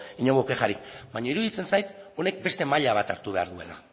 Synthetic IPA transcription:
iɲoŋɡokexaɾikbaɲaiɾuðit͡se̞nsajt̪o̞ne̞k̚be̞st̪e̞maʎaβat̪aɾt̪uβe̞a̰ɾðue̞̰la̰

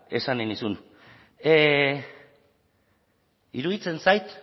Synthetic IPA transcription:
e̞saninisun | iɾuðit͡se̞nsajt̪

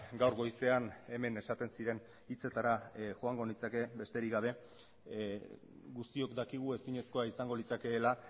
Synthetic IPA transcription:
ɡawɾɣo̞jse̞ane̞me̞ne̞sat̪e̞nsiɾe̞n | it͡se̞t̪aɾaxo̞aŋɡo̞nit͡sake̞be̞st̪e̞ɾiɣaβ̞e̞ | ɡust̪io̞kd̪akiɣ̞ue̞siɲe̞sko̞aisaŋɡo̞lit͡sake̞ːla

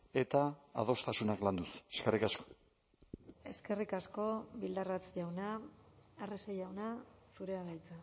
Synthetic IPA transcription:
e̞t̪a̰ːð̞o̞st̪asunakland̪use̥skerikasko̥ | e̞ske̞rikasko̞βild̪arat͡sʝawnaː | resejawnasuɾe̞aɣajt͡sa

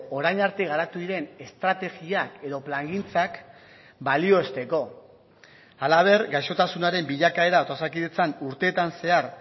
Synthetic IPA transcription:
o̞ɾajɲaɾt̪eɣ̞aɾat̪uðiɾe̞ne̞st̪ɾat̪e̞ɣiake̞ðo̞plaŋɡint͡sak | balio̞est̪e̞ko̞ | alaβ̞e̞ɾɡajʃo̞t̪asunaɾe̞mbiʎakae̞ɾaot̪osakiðet͡sanuɾt̪e̞ːt̪anse̞aɾ

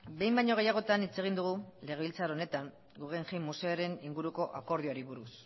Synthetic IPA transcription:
be̞jmbajɲo̞ɣe̞jaɣ̞o̞t̪anit͡se̞ɣ̞ind̪uɣ̞ule̞ɣe̞βilt͡saɾo̞ne̞t̪aŋ | ɡuɣeŋximmːuse̞oɾe̞niŋɡuɾuko̞ʔako̞ɾð̞ioɾiβuɾus

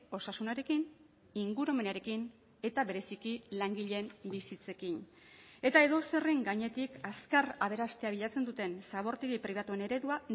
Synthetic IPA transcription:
o̞sasunaɾe̞kin | iŋɡuɾo̞me̞naɾe̞kin | e̞t̪aβe̞ɾe̞sikilaŋɡiʎe̞mbisit͡se̞kin | e̞t̪ae̞ðo̞se̞reŋɡaɲe̞t̪ikaskaraβ̞e̞ɾast̪e̞aβ̞iʎat͡se̞nd̪ut̪e̞nsaβ̞o̞ɾt̪eɣipɾiβ̞at̪ue̞ne̞ɾe̞ðua

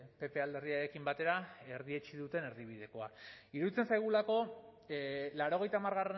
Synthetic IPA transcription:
pe̞pe̞ald̪e̞riaɾe̞kimbat̪e̞ɾae̞ɾðiet͡ʃiðut̪e̞ne̞ɾðiβ̞ið̞e̞ko̞aiɾuit͡sensajɣ̞ulako̞ | laɾo̞ɣ̞e̞jt̪aːmaɾɣare

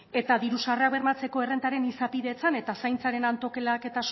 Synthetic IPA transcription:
e̞t̪aðiɾusareaβe̞rmat͡se̞ko̞e̞re̞nt̪aɾe̞nisapiðe̞t͡sane̞t̪asajnt͡saɾe̞nant̪o̞ke̞lake̞t̪as

